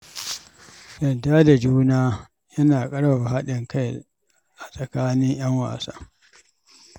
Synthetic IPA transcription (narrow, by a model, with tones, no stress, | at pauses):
jɐ˨da˦da˨d͡ʒuː˦naː˦ | jɐ˦naː˨kʼɐ˦ɽba˨a˨ɦa˦ɗɪ˨ŋka˦j | ʔa˨sʼɐ˨kaː˦nɪ˦ɲj̰ɐ˦ŋwa̰ː˨sa̰ː˦